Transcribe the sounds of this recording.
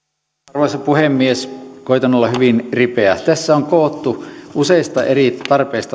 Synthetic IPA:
rʋoisɑpuhemːieskoit̪ɑnːolːɑhyʋinripeæt̪æsːæoŋkoːt̪ːuʔuseˑist̪ɑʔerit̪ɑrpeist̪ɑ

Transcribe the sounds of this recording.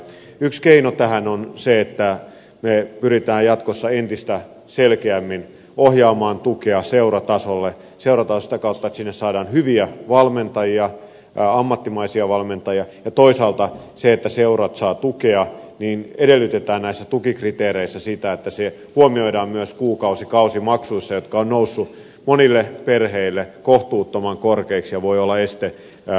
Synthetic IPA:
ykskeinot̪æhænonseet̪ːæ | mepyɾit̪æːjjɑt̪kosːɑent̪ist̪æ | selkeæmːin | ohjɑːmɑːnt̪ukeɑseurɑt̪ɑsolːe | seurɑt̪ɑːsit̪ækɑut̪ːɑet̪sinːessɑːdɑːnhyʋiæʋɑlment̪ɑjiɑ | ɑmːɑt̪ːimɑisiɑʋɑlment̪ɑjiɑjɑt̪oisɑːlt̪ɑ | seet̪ːæseurɑt̪sɑːt̪ukeɑniːnedelːyt̪et̪æːnnæisːæt̪ukikrit̪eːɾeisːæsit̪æet̪ːæse | huomioidɑːmmyøskuːkɑusikɑusimɑksuisːɑjot̪kɑonnousːu | monilːeperheilːekoht̪uːt̪ːomɑŋkorkeiksjɑʋoiolːɑest̪e

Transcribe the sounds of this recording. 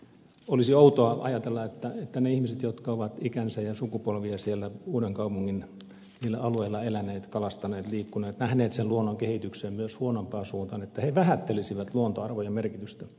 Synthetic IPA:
olisiout̪oɑʔɑ̰jɑt̪elːɑet̪ːæet̪ːæneihmiset̪jot̪kɑoʋɑt̪ikænsæjɑsukupolʋiɑsielːæuːdeŋkɑupuŋːin | niːlːæ̰ɑlueilːˑɑelænˑeːt̪kɑlɑst̪ɑneːt̪liːkːuneːt̪næhneːt̪selluonːoŋkehit̪ykseːmmyøshuonompɑːsuːnt̪ɑnet̪ːæheʋæhæt̪ːelisiʋæt̪luont̪oɑrʋojɑmerkit̪yst̪æ

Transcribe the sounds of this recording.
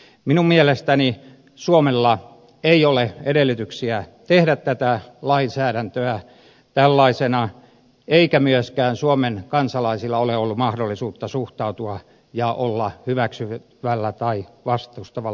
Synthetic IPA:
minummielest̪æni | suomelːɑ | eioleeɾelːyt̪yksiæt̪ehdæt̪tæt̪ælɑinsæːɾænt̪øæ | t̪ælːɑisenɑ | eikæmyøskæːnsuomenkɑnsɑlɑisilːɑoleolːumɑhdolːisuːt̪ːɑsuht̪ɑut̪uɑ | jɑʔolːɑhyʋæksy | ʋælːæt̪ɑiʋɑst̪uust̪ɑʋɑl

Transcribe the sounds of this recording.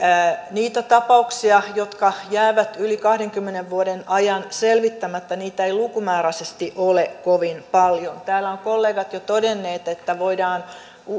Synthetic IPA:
niːt̪æt̪ɑpɑuksiɑjot̪kɑjæːʋæt̪ylikɑhɾeŋkymːeneʋʋuodenɑjɑnselʋit̪ːæmæt̪ːæniːt̪æeilukumæːræsest̪iʔolekoʋinpɑljont̪æːlːæoŋkolːeːɡɑt̪jot̪odenːeːt̪et̪ːæʋoidɑːn | u

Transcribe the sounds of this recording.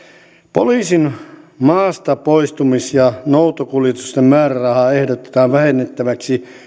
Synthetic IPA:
po̰liːsinmɑːst̪ɑpoist̪umisjɑnout̪okuljet̪ust̪emmæːɾærɑhɑehdot̪e̥t̪ɑːʋʋæhenːet̪ːæʋæksi

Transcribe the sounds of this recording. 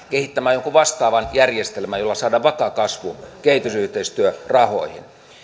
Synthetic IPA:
kehit̪ːæmæːjoŋkuʋɑst̪ɑːʋɑnjærjest̪elmæjolːɑsɑːdɑːʋɑkɑkɑsʋṵkeit̪ysyht̪eist̪yørɑho̰ihḭn

